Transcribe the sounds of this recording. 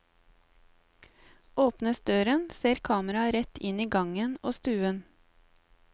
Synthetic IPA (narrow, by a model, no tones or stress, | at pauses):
ʔoːpnəsd̪øːɾənseːɾkʰɑːməɾɑɾɛt̪ɪniːɡɑŋənoːst̪ʉːən